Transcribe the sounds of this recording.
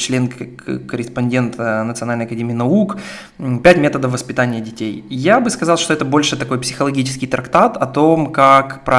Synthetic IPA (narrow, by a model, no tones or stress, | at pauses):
t͡ɕlʲe̞n | kəɾʲɪspɐnʲdʲe̞nt̪nət̪sɨɐnalʲnjɐkɐdʲemʲiːnɐuk | pʲætʲmʲe̞t̪əd̪əfvːəspʲɪt̪anʲɪjədʲɪtʲejjabɨskɐzɑlˠʂt̪oɛt̪əbo̞lʲʂɨt̪ɐko̞jpsʲɪxəlˠɐɡʲit͡ɕɪ̥skʲɪjt̪ɾɐkt̪at̪ɐt̪o̞mkakpɾɐ